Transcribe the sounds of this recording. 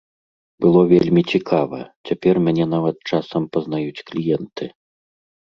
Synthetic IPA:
bɨlˠɔvʲelʲmʲit͡sʲikʰavɐ̰t͡sʲapʲɛrmʲanʲɛnavɐt̪̚t͡ʂasɐmpɐzn̪ajut͡sʲklʲijɛnt̪ɨ

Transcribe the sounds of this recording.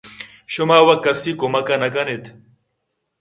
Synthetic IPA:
ɕʊmaːwɐkːɐsikomɐkanɐkɐnet̪ʰ

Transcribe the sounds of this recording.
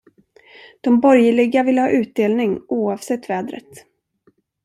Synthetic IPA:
d̪̥ɔmbɔɾjəɭɪɡavɪlːəhɑ̰ːʔʉ̟ːt̪̚d̪eːlnɪŋuːɑːvsɛt̪ːvɛːd̪ɾə̰t̪

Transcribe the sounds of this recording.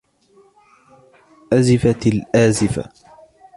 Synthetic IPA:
ʔazɪfalʔaːzɪfa̰

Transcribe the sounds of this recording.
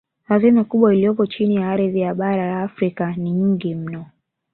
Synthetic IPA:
hazimakuɓwailijɔpɔt͡ʃinijaaɾiðijaɓaɾalaːfɾikaniɲ̩ɡim̩nɔ

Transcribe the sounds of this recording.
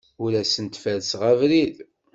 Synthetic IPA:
ulæsənt̪fælsʁævɾið

